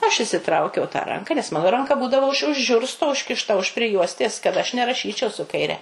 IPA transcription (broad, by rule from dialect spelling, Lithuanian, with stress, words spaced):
ˈɐʃ ɪʃʲsʲɪˈtrɐʊkʲɛʊ tɑː ˈrɐŋkɐ nʲɛs ˈmɑːnoː ˈrɐŋkɐ ˈbuːdɐʋoː ʊʃ ʊʃ ˈʒʲʊrstoː ʊʃʲkʲɪʃˈtɐ ʊʃ pʲrʲɪˈjuɔsʲtʲeːs kɐt ˈɐʃ nʲɛrɐˈʃʲiːt͡ʃʲɛʊ sʊ kɐɪˈrʲɛ